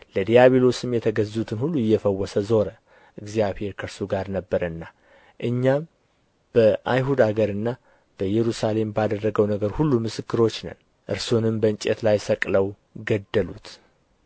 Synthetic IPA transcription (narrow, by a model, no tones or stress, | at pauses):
ləd̪ijaβelo̞sɨmjɛt̪ʰəɡəzut̪ʰɨnhulːuɪjːɛfəwːɔsəzo̞ɾə | ʔɨɡzijaβhe̞ɾkʰəɾsuɡaɾnəbːəɾɨnːa | ʔɨɲːam | b̥əʔajɦud̪aɡəɾɨnːa | b̥əjɛɾusale̞mbad̪ərːəɡəwnəɡəɾhulːumɨsɨkʰːɨɾo̞t͡ʃːnə̰n | ʔɨɾsonɨmbəɨnt͡ʃʼɛ̰t̪lajsəkʼləw | ɡəd̪ːəlut̪